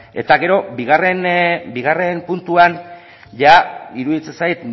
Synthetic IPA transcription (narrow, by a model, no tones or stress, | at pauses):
e̞̰t̪aɣe̞ɾo̞biɣare̞nbiɣare̞mpunt̪uan | ʝaiɾuðit͡se̞nsajt̪